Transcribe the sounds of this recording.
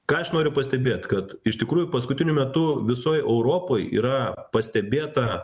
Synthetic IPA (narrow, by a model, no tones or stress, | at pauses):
kɑːɐʃnoːɾʲʊpɐsʲt̪ʲɛbʲeːt̪ʲkɐt̪ɪʃt̪ʲɪkɾuːjʊpɐskʊt̪ʲɪnʲʊmʲɛt̪ʊʋʲɪsoːjɛʊɾoːpoːjḭːɾɐpɐsʲt̪ʲɛbʲeːt̪ɐ